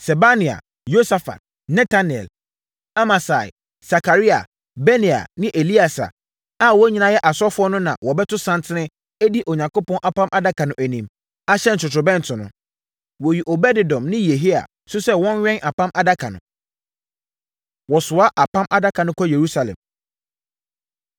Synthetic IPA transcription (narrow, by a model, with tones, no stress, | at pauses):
sɛ˨ba˦nɪ̃˨a̰˨ | jo˦sa˨fa̰˨t | nɛ̃˦tʰa˦n˨ɛ̰˨l | a˦ma˨sa̰˨ | sa˨kʰa˨ɾi˦a̰˨ | bɛ˦nĩ˨a̰˨nɪ̃˦ʔe˨li˦a˨sa̰˨ | a˦wɔ˦ɲĩ˦nã˦jɛ˦ʔa˨sɔ˦fʊ˦ɔ˦nʊ̃˦nã̰˨wɔ˨bɛ˦tʰʊ˦sã˦n˦tʰɪ˦nɪ̃˦ | æ˦di˦ʔo˨ɲã˨ŋko˦pɔ̃˦nʔa˨pʰã˦mʔa˦da˦kʰã˨nʊ̃˨ʔæ˨nĩ˨m | a˦ɕɛ˦n̩˨t͡ʃʰʊ˨tʰʊ˨bɛ̃˦n̩˨tʰʊ˨nʊ̃˦ | wɔ˨ɥi˨ʔo˨bɛ˦dɪ˨dɔ̃˨mnɪ̃˦je˨ɦi˦a̰˨ | sʊ˦sɛ˦wɔ̃˦nɥᶣɛ̃˦ŋʔa˨pã˦mʔa˦da˦kʰã̰˨nʊ̰̃˨ | wɔ˨sʊ˨a˦ʔa˨pʰã˦mʔa˦da˦kʰã˨nʊ̃˦kʰɔ˦je˨ɾu˦sa˨lɛ̰̃˨m